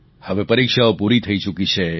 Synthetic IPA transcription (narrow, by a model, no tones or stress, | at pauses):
həʋepəɾikʃaopuɾit̪ʰəit͡ʃukit͡ʃʰe